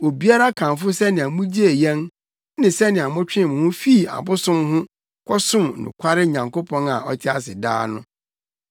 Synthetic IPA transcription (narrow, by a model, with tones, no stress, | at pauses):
o˨bi˦a˦ɾa˦kʰã˨nfʊ˦sɛ˦nɪ̃˨a˨mũ˦d͡ʑi˦e˨jɛ̃˦n | nɪ̃˨sɛ˦nɪ̃˨a˨mʊ̃˦t͡ɕᶣɪ̃˦˨mʊ̃˨hʊ̃˦fi˦˨a̰˨bʊ˦sʊ̃˦mhʊ̃˦ | kʷʰɔ˦sʊ̃˦m˨nɪ̰̃˨kʰʷa˦ɾɪ˦ɲã˨ŋko˦pʰɔ̃˦na˨ʔɔ̰˦tʰɪ˦a˦sɪ˨da̰ː˦nʊ̰̃˦